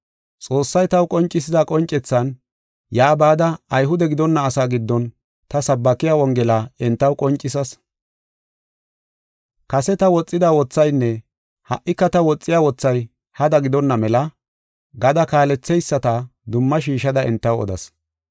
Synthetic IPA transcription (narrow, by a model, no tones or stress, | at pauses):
t͡sʼoːsːɐjt̪ɐwkʼɔnt͡ʃʼːɪsɪzɐkʼɔnt͡ʃʼːɛt͡sːɐn | jaːbaːd̪ɐːjɦʊd̪ɛɡɪd̪ɔnːɐːsaːɡɪd̪ːɔn | t̪ɐsɐbːɐkɪjaːɔŋɡɛlaɛnt̪ːɐwkʼɔnt͡ʃʼːɪsɐs | kɐsɛt̪ɐwɔt͡sʼːɪd̪awɔt͡sːɐjnːɛ | hɐ̰ʔːɪkːɐt̪ɐwɔt͡sʼːɪjaːwɔt͡sːɐj | hɐd̪ɐɡɪd̪ɔnːɐmɛlɐ | ɡɐd̪ɐkaːlɛt͡sːɛjsːɐt̪ɐd̪ʊmːɐʃ̬iːʃɐd̪ɐɛnt̪ːɐwɔ̰d̪ɐ̰s